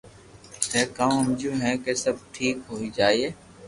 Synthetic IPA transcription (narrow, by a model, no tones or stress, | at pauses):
ɦɛːkaːmɦəmd͡ʒuːɦɛ̃ːkeːsəb̚ʈʰiːkɦoːiːd͡ʒaːieː